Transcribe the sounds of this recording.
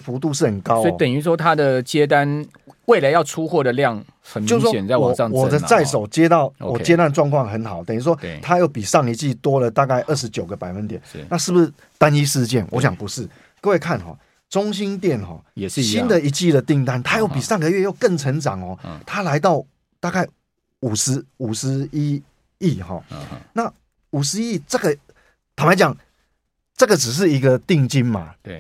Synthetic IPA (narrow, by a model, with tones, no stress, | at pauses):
fu˧˥t̪u˥˧ʂɻ̩˥˩xə˨˩nkɑ˦sʊɔ˥˨t̪ə˨˩ny˧˥ʂ̬wɔ˥t̪ʰa˦d̪ə˨t͡ɕje˦t̪̬a˦n | we˥˩la˨˦ɪjɑ˥˨ʊʈ͡ʂʰu˦xwɔ˥˩d̪ə˨ljɑ˥˨ŋ | xə˨˩t͡ɕnmo˥˧ʊsjɛ˨nt͡sa˥˩ɪwa˨˩ɑ˥˧ŋwɔ˨˥˩d̪ə˦t͡sa˥˩ɪʂ̬o˨˩ʊt͡ɕjɛ˦t̪ɑ˥˩ʊ˧wɔ˨˩t͡ɕjɛ˦t̪a˥˧nʈ͡ʂwɑ˥˧ŋkʰwɑ˥˩ŋxə˧˦nxɑ˨˦ʊt̪ə˨ny˧˥ʂ̬wɔ˥˩t̪ʰa˦jo˥˩ʊpi˨˩ʂɑ˥˩ŋi˧˥t͡ɕi˥˩t̪wɔ˥lə˨t̪a˥˧ka˥˩ɪʔə˥˩ʂ̬ɻ̩˧˦t͡ɕjo˨˩ʊɡə˨pa˨˩ɪfə˦nt̪jɛ˨˩˦n˥˩na˥˧ʂɻ̩˥˩bu˨˩ʂ̩˥˩t̪a˦ni˦ʂɻ̩˥˧t͡ɕjɛ˥˩nwʔɔ̰˧˦ɕ̬jɑ˨˩ŋpu˧˦ʂɻ̩˥˩ | kə˧we˥˧ɪkʰa˥˨nxɔ̰˨˩ | t͡sʊ˦˥ŋɕ̬i˦˥nt̪̬jɛ˥˨˩nxɔ̰˨˩ɕi˦nd̪ə˨i˧˥t͡ɕi˥˨d̪ə˩t̪i˥˧ŋt̪a˦nt̪ʰa˦jo˥˩ʊpi˨˩sa˥˩ŋɡə˨ɥɛ˥˧jo˥˧ʊkə˥˩ŋt͡sʰə˧˦˥ŋt͡sɑ̰˨˩ŋhɔ˨˩t̪ʰa˦la˧˦ɪt̪ɑ˥˩ʊ | t̪a˥˧ka˥˩ɪ | u˨˩ʂɻ̩˧˦u˨˩ʂɻ̩˧˦i˦ | i˥˩xɔ̰˨˩na˥˩ | u˨˩ʂɻ̩˧˦i˦i˥˩t͡sɤ˥˩ɡə˨ | t̪ʰma˧˦t͡ɕja˨˩ŋ | t͡sɤ˥˩ɡə˨t͡s̩˨˩ʂ̬ɻ̩˥˩i˧˦˥ɡə˧t̪i˥˧ŋt͡ɕi˦nma̰˨